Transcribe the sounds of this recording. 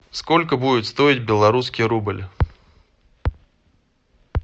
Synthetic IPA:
sko̞lʲkəbudʲɪt̪st̪o̞ɪtʲbʲɪlˠɐɾuskʲɪjɾublʲ

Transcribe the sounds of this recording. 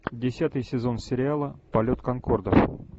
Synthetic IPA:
dʲɪsʲat̪ɨjsʲɪzo̞nsʲɪɾʲɪalˠəpɐlʲot̪kɐŋkord̪əf

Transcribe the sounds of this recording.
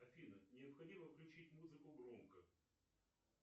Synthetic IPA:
ɐfʲinənʲɪəpxɐdʲiməfklʲʉt͡ɕitʲmuzɨkʊɡɾomkə

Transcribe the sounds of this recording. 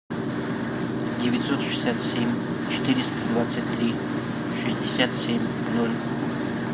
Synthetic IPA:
dʲevʲɪt̪sot̪ʃɨ̥sʲat̪sʲemʲ | t͡ɕʰɪ̥t̪iɾʲɪst̪əd̪vat̪sətʲt̪ːɾʲi | ʂɨzʲd̪ʲɪsʲat̪sʲemʲ | nolʲ

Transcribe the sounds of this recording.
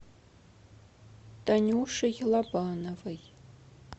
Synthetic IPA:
d̥ɐnʲuʂɨɣʲlɐbaːnɐvɐj

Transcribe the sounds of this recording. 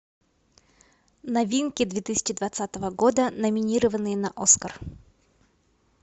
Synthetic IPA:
nɐvʲinkʲɪd̪vʲet̪ɨsʲɪ̥t͡ɕɪd̪vɐt̪sat̪əvəɡo̞d̪ənəmʲɪnʲiɾəvənːɨjənɐʔoskər

